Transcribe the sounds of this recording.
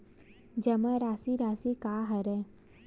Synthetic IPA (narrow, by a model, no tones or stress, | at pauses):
d͡ʒɐmə̃ɾaːsiɾaːsikaːɦɐɾɛː